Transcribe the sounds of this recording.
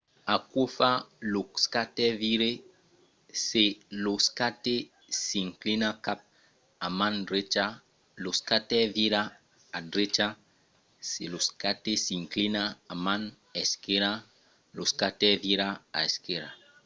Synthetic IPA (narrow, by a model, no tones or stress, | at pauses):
akwofaloskatɛviɾe | seloskate | siŋklinakap̚ | amãndɾet͡ʃa | loskatɛviɾaː | dɾet͡ʃa | seloskatesiŋklinaːmãn | ɛskeɾa | loskatɛviɾaa̰eskeɾa